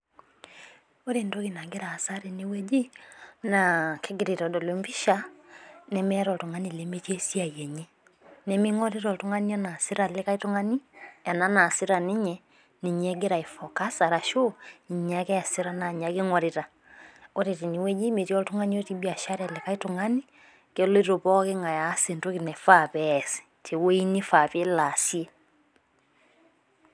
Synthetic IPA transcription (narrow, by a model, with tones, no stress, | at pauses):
o˦ɾe˨ndo˦ɣe˨na˨ɡe˦ɾaː˨sa˦ɾe˨ni˦wɛ˦d͡ʒi˦nakʰe˦ɡeɾe˨tɔ˨dɔ˨le˨mbi˦ʃa˦nɛmɛɾɔ˨to˨ŋa˦nilemetjɛ˦si˦a˨jɛ˨ɲɛ˦ | nɛ˦mi˦ŋɔ˦ɾe˦ɾɔ˨to˦ŋa˦ni˦a˦na˨si˦ɾa˨le˦ka˦i˦to˦ŋa˦ni˦ja˨na˦na˨si˦ɾa˨ni˦ɲɛ˨ | ni˨ɲɛ˦ɡe˦ɾa˨e˨fɔ˨ka˦sa˨ɾa˨ʃo˦ni˨ɲɲa˦kɛ˦a˨se˦ɾa˦na˨ɲa˨ke˦ŋɔ˨ɾe˨ɾa˨ | o˦ɾe˨te˨ni˨wɛ˦ɲe˦me˨tjɔ˦to˦ŋa˦ni˦ɔ˦ti˦bi˦a˨ʃa˦ɾa˨le˨ka˦i˦to˨ŋa˦ni˦ | ke˨lo˦i˦ɾo˨pɔ˦ke˦ŋɡa˨ja˨˦se˨nto˦ke˨nɛ˨fa˦˨pɛsi̥˨tʰe˨we˦i˦ni˦fa˨pe˦la˨sje˦